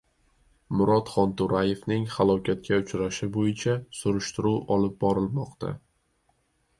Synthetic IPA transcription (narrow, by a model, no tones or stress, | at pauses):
mʊɾɒt̪χɒnt̪ʊɾaje̞fnɪŋhalˠɒkʲʰat̪̚kʲaʊt͡ʃɾaʃɪbojɪt͡ʃʰasʊɾʊʃt̪ɪɾuwɒlɪp̚bɒɾɪlmɒqt̪ʰa̰